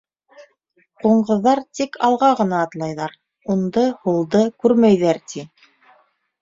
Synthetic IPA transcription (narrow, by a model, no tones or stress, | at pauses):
quɴɢɤ̆ðːɑɾt̪ikʰɑlˠʁɑʁɤ̆nɑːt̪lˠɑjðɑɾ | und̪ɤhulˠd̪ɤkʉɾmæjðæɾt̪ʰi